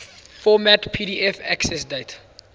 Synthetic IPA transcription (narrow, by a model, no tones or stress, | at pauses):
fɔmætpʰiɾiʔɛfæksɛsdet